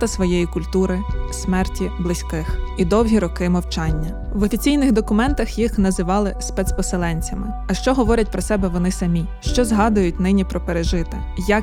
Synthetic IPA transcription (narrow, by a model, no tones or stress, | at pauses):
t̪ɐsʋɔjejikʊlʲt̪uɾɪsmɛrtʲiblˠɪsʲkɪxid̪ɔwɦʲiɾɔkɪmɔwt͡ʃɑnʲːɐ | ʋɔfʲit͡sʲijnɪɣd̪ɔkʊmɛnt̪ɐxjixnɐzɪʋɑlˠɪspɛt̪spɔselˠɛnʲt͡sʲɐmɪ | ɐʃt͡ʃɔɦɔʋɔɾʲɛt̚ʲpɾɔsɛbɛʋɔnɪsɐmʲi | ʃt͡ʃɔzɦɑd̪ɐjʊtʲnɪnʲipɾɔpeɾeʒɪt̪ɪ | jɐk